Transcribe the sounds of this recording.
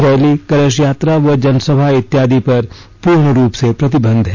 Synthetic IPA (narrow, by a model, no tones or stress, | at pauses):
ɾɛːlikɐɾeʃjaːt̪ɾaʋɐd͡ʒɐnsəbʱaɪt̪ːjaːd̪ipɐɾ | puːɾɳəɾuːpsepɾɐt̪ɪbə̃nd̪ʱɦɛ